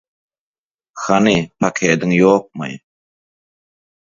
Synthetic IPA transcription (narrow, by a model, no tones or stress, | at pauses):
xanipʰakʰed̪əŋjok̚mə̰j